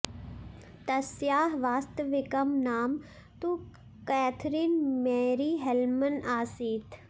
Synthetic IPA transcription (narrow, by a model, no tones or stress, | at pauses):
t̪ɐsjaːɦʋaːst̪əʋɪkɐmnaːm | t̪u | kɛːt̪ʰɾiːnmeːɾiːɦelmənaːsiːt̪ʰ